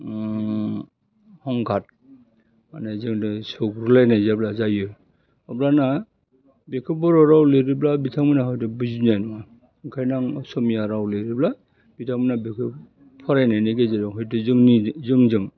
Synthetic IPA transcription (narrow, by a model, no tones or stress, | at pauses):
hɔŋɡʰʱat̚ | manezɯŋdɯsɔkɾulajnajzablazajɯ | ɔblana | bekʰɯbɔɾɔɾawleɾiblabitʰaŋmɯnaɦɔjtɯbɯzinajnuwa | kʰajnaŋɔsɔmijaɾawlɯɾibla | bitʰaŋminabikʰɯ | pʰɔɾajnajneɡezadɔŋɦɔjtɯzɯŋnizɯŋzɯŋ